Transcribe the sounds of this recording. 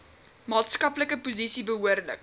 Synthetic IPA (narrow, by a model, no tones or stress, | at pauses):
mɑːtskɐpləkəpuzisibəɦuərlə̰k